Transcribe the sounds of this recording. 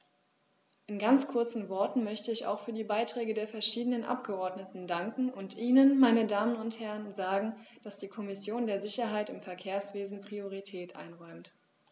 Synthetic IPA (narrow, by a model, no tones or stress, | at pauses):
ʔɪnɡant͡skʰʊɐt͡sn̩vɔɐtn̩mœçtəɪça̰ʊxfyːɐdiːbaɪtʁ̥ɛːɡədeːɐfɛɐʃiːdənənʔa̰pɡ̥əʔɔɐdnətn̩daŋkŋ̩ʊntʔiːnənmaɪnədaːmənʊnthɛʁənzaːɡŋ̩d̥asd̥iːkʰɔmɪsjoːndeːɐzɪçɐɦaɪtɪmfɛɐkʰeːɐsv̥eːzn̩pʁ̥ioʁ̞itʰɛːtʔa̰ɪnʁɔʏmt